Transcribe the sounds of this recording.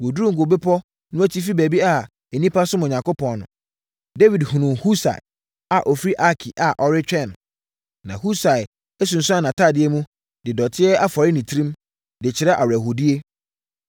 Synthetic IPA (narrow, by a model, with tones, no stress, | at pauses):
wo˨du˦ɾũ˦ŋ̩˨ɡo˨be˦pʰɔ˦ | nʊ̃˦æ˦tʰi˦fi˦bæ˨bi˦a˨ | ɛ˨nĩ˦pʰa˦sʊ˦mɔ˨ɲã˨ŋkʰo˦pʰɔ̃˨nnʊ̰̃˨ | de˦wi˨dhũ˨nʊ̃˨hu˦sa̰˨ɪ˨ | a˨ʔɔ˨fi˦ɾi˦ʔa˦kʰi˨ʔa˨ʔɔ˨ɾɪ˦t͡ɕᶣɛ̃˦˨n˨ | nã˨hu˦sa˨ɪ˨ | ɛ˦s̬ũ˨n̩˨sʊ˦a˦˨nã˨tʰaː˦˨dɪ˦ɛ˦mũ˦ | d̥ɪ˨dɔ˨tʰɪ˦ɛ˦ʔa˦fɔ˨ɾɪ˦nĩ˨tʰɾĩ˦m | dɪ˨t͡ɕʰɪ˨ɾɛ˦ʔa˨wæ˨ho˨di˦e˦